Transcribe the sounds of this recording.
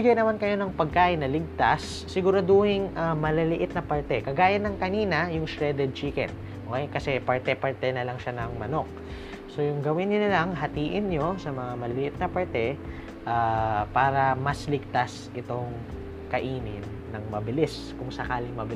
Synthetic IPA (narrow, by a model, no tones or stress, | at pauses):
ɪɡajnɐmankɐjo̞nɐŋpɐɡ̚kaːʔɪnːɐlɪɡ̚t̪asːɪɡʊɾɐd̪oːhɪŋʔɐmɐlɐlɪʔɪt̪̚nɐpɐɹt̪ɛkɐɡaːjɐnːɐŋkɐniːnɐjʊŋsɹɛd̪ɛd̪̚t͡ʃiːkɛ̰n | ʔokɛjkɐsɛpɐɹt̪ɛpɐɹt̪ɛnɐlɐŋʃanɐŋmɐno̞k̚ | so̞jʊŋɡɐwɪnɲonɐlɐŋɦɐt̪iːʔɪnɲo̞sɐmɐŋamɐlɐlɪʔɪt̪̚nɐpɐɹt̪ɛ | ʔapaːɾɐmɐslɪɡ̚t̪as | ʔɪt̪o̞ŋ | kɐʔiːnɪ̰nːɐŋmɐbɪlɪs | kʊŋsɐkaːlɪŋmɐbɪ